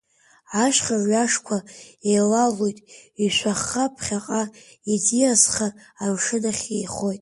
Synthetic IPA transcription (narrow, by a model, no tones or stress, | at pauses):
aʃʷᶣχaʕʷaʂkʷʰaejlalojtʼiʃʷaχːapʰχʲaqʼa | idiasχaːmʂɨdaχʲejχo̞jtʼ